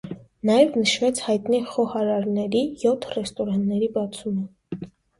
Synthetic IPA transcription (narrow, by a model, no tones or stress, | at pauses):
nɑjɛvnəʃvɛt͡sʰhɑjt̪niχɔhɑɾɑɾnɛɾijɔt̪ʰrɛst̪ɔɾɑnnɛɾibɑt͡sʰumə